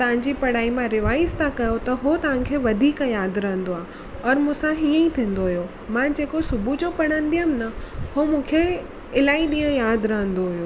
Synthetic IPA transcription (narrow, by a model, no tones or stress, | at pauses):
t̪ɐʋ̤ãɲ̆d͡ʑipɐɽ̤aːimãɾɪʋaːɪst̪ʰakɐjot̪ɐɦot̪ɐʋ̤ãkʰeʋɐd̪ʱiːkjaːd̪ɾɐɦə̃n̆d̪oaː | ɐɾmũːsãɦiːə̃ĩt̪ʰĩːn̆d̪oɦijo | mãd͡ʑeːkosʊbʱud͡ʑopɐɽ̤̃ənɪ̆d̪ijəmnɐhomũːkʰe | ɪlaːiɗĩːə̃jaːd̪ɾɐɦə̃nd̪oɦʊjoː